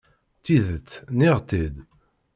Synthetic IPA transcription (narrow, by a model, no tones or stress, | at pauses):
t̪iðət͡s̪ːniʁt̪id̪